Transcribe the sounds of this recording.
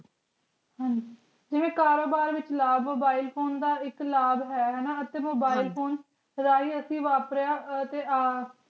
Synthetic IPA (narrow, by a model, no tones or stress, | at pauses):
ɦãːd͡ʒi | d͡ʒɪʋẽːkaːɾoːbaːɾʋɪt͡ʃlaːbmoːbaːiːlpʰoːnd̪aːɪklaːbɦɛːɦɛːnaːət̪eːmoːbaːilpʰoːn | ɾaːiːəsĩːʋaːpɾejaːt̪eːaː